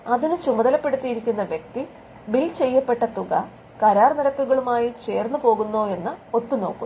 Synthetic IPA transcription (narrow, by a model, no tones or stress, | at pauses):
ɐðinɨt͡ɕumɐðɐlɐpːe̞ɽut̪ːijiɾikʲːunːɐʋjek̚t̪i | milt͡ɕe̞jːɐpːe̞ʈːɐt̪uɣɐ | kɐɾaːrniɾɐk̪ːuɣɐɭumaːjit͡ɕe̞ːrnːupo̞ːɣunːo̞ːe̞nːɨo̞t̪ːuno̞ːkːu